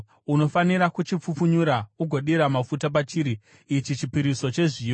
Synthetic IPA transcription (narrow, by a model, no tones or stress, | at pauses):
uno̞faniɾakut͡ʃip͡fufuɲuɾauɡʱo̞ɗiɾamafutap̬at͡ʃiːɾi | it͡ʃit͡ʃipiɾiso̞t͡ʃe̞ʐi